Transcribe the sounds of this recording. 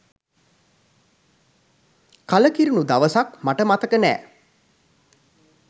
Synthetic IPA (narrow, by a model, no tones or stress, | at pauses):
kaləkiɾinud̪aʋəsakmaʈəmat̪əkənɛ̰ː